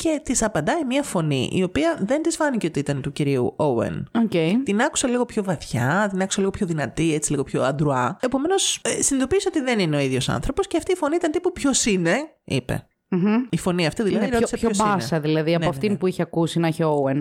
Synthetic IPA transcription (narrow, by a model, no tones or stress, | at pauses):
ce̞t̪isɐpɐnd̪ɐimiɐfo̞nḭʔḭo̞piɐðe̞nd̪izvɐniceot̪iit̪ɐnt̪uciɾiṵʔoḛnocejt̪inɐku̥sɐliɣo̞pço̞vɐθçɐt̪inɐku̥sɐliɣo̞pço̞ðinɐt̪iet͡si̥liɣo̞pço̞ɐnd̪ɾuɐe̞po̞me̞nossinid̪opiseo̞t̪iðenineo̞iðʝo̞sɐ̰nθɾo̞po̞sceɐft̪iːfo̞niit̪ɐnt̪ipupço̞sine̞ | ḭpe̞̰ | m̩ɦ̩ifo̞niɐft̪iðilɐðiisɐoosɐsɐðilɐðiɐpnɐft̪inpuiçeɐkusinɐçeowen